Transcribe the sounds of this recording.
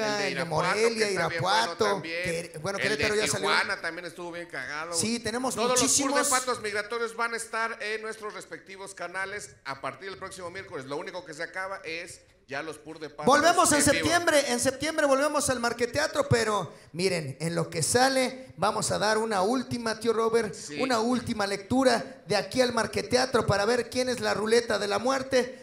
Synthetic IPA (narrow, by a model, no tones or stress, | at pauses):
aemoɾeljaiɾappwat̪oekebwe̞nokeepeɾoʝasaljoanat̪ambjenest̪uβoβjeŋkaɣaðosit̪e̞ne̞mo̞zouðolisiumoespat̪ozmiɣɾat̪oɾjozβanaest̪aɾenːwest̪ɾosrespek̚t̪iβoskanale̞s | apaɾt̪iɾðelpɾo̞ksimomje̞ɾkolezlouniko̞kes̬eakaβaʔes | ɟ͡ʝalospuɾðepabo̞lβe̞mo̞sensept̪je̞mbɾe̞ʔense̞p̚t̪je̞mbɾe̞βo̞lβe̞mo̞salmaɾket̪eat̪ɾo̞pe̞ɾo̞ | miɾe̞nenlo̞ke̞sale̞bamo̞saðaɾunault̪imat̪joro̞βe̞ɾunault̪imale̞k̚t̪uɾa | ðeakialmaɾke̞t̪eat̪ɾo̞paɾaβe̞ɾkje̞ne̞zlarule̞t̪aðe̞lamwe̞ɾt̪e̞